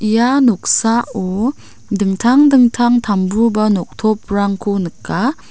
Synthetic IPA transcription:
ʔijanɔk̚saɔ | dɯŋtʰaŋdɯŋtʰaŋtʰambubanɔk̚tʰɔp̚ɾaŋkʰunɯkːa

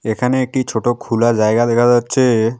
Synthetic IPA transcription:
ekʰaneːk̚ʈit͡ʃʰoʈokʰulad͡ʒajɡad̪ɛkʰazatːt͡ʃʰe

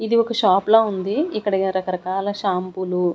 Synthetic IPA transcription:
id̪iwɔkɐʃaːploːund̪iikːɐɽɐnɐɾɐkɐɾɐkaːlɐʃaːmpulu

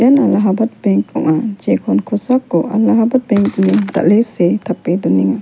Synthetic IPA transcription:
analaɦabat̪̚bɛŋkɔ̰ŋad͡ʒekʰɔnkʰosakːɔʔa̰laɦabat̪̚bɛŋduniŋd̪a̰ʔleset̪ʰapeduniŋa

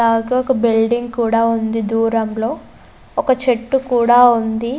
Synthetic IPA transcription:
aːɡaːɔkɐbilɖiŋɡkuːɽaːund̪id̪uːɾɐmlo̞ː | ɔkɐt͡ʃeʈːukuːɽaːund̪i

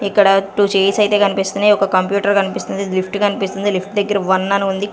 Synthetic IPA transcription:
ikːɐɽɐʈut͡ʃeːjsɐjt̪eːkɐnipist̪unɐɔkɐkɐmpjuːʈɐɾkɐnipist̪und̪ilipʰʈkɐnipist̪und̪ilipʰʈd̪ɐɡːɐɾɐʋɐnːɐnund̪i

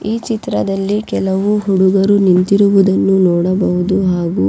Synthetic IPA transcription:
iːt͡ʃit̪ɾɐd̪ɐlːikɛlɐʋuɦuɽuɡɐɾunint̪iɾuʋud̪ɐnːunɔːɽɐbɐɦud̪uɦaːɡu

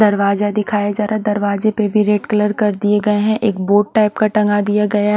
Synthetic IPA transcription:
d̪ɐɾʋaːzad̪ɪkʰaːjad͡ʒaːɾad̪ɐɾʋaːzepebʱiɾeːʈkɐləɾkɐɾd̪ieɡɐeɦɛ̃ʔeːk̚boːʈ̚ʈaːɪpkaʈɐ̃ŋɡad̪ijaɡɐja

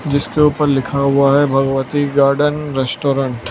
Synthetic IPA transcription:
d͡ʒɪskeuːpəɾlɪkʰaɦʊaɦɛbʱɐɡʋət̪iɡaːɾɖənɾɛsʈoːɾə̃ɳʈ

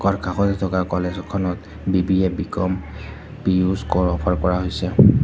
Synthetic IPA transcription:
kɔɹkʰaxɔtɛtʰɔkaɹkɔlezɔkʰɔnɔt | bibiɛbikɔm | pijuzkɔɹɔpʰaɹkɔɹaɦojsɛ

